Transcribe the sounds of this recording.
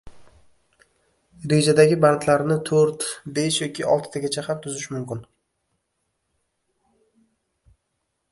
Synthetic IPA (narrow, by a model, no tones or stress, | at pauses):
ɾe̞d͡ʒad̪aɡʲɪbant̪ʰlaɾnɪt̪ʰoɾt̪be̞ʃjɒkʲɪɒ̰lˠt̪ʰɪ̥t̪ʰaɡʲat͡ʃʰahamt̪ʰʊzɪʃmʊmkʲɪn